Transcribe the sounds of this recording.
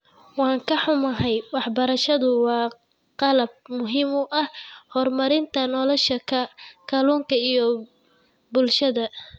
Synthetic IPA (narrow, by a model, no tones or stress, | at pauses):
wɑːŋkʰɐħʊmɐɦɛjwɑħbɐɾɐʃɐðʊwɑː | qɑlɐb̚mʊɦimʊʔɐhhɔrmɐɾɪnt̪ʰɐnɔlɔʃɐkʰɐkʰɐluːŋkʰɐijɔ | bʊlʃɐðɐ